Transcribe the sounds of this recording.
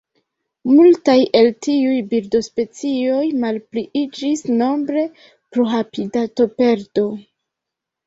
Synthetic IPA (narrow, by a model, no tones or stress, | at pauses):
multajʔe̞ltiujbiɾdo̞spe̞t͡sio̞jmalpliʔid͡ʒisno̞mbɾe̞ | pɾoɦapidato̞pe̞ɾdo̞